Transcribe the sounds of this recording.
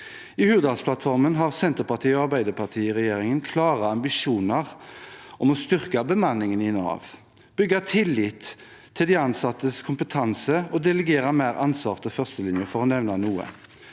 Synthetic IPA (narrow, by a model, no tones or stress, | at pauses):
ihʉːʋəd̪ɑspʰlɑt̪fɔʁmənɦɑʁsɛnt̪əɾpɑʁt̪ʰiːɔɑʁbæɪd̪əpʰɑt̪ʰiːɪʁɛjeːɾɪŋənkʰlɑːʁɑɑmbɪʃuːnɑʁʔɔmɔst̪ʏʁkɑbəmɑnːɪŋənɪnɑ̰ːʋ | b̥ʏɡːɑt̪ʰɪlːiːt̪ʰː | ɪld̪ɛɑnsɑt̪ːəskʰʊmpət̪ʰɑnsəɔd̪ɛləɡeːɾɑmæːʁʔɑnsʋɑ̰ːʁt̪əfœʁst̪əlɪnjəfɔʁɔnɛʋnɑnuːə̰